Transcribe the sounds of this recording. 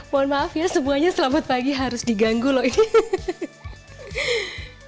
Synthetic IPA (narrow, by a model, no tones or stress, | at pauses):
moɔnmaafjasəmuaɲasəlamat̪̚paɡiɦaɾʊsdiɡaŋɡulɔini